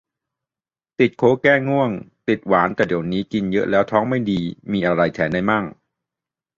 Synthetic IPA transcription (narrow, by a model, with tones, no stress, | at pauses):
t̪i˨˩t̪̚kʰoː˧˥kɛː˥˩ŋu˥˩əŋt̪i˨˩t̪̚waː˩˦nka˨˩diː˨˩wniː˦˥ki˧njɤ˦˥ʔlɛː˦˥wt̪ʰɔː˦˥ŋma˥˩jdiː˧miː˧ʔa˧ɾa˧jt̪ʰɛː˩˦nda˧jmaː˥˩ŋ